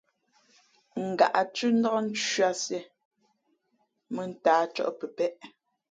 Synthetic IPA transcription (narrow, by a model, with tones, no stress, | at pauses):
ŋ̩˨ɡa̰˨ʔa˨t͡ʃʉ˦n̩˦dɔ˦kn̩˦t͡ʃa˦sjɛ˨ | mə˨n̩˦taː˨˦t͡ʃɔ̰˦ʔpə˨pɛ˦ʔ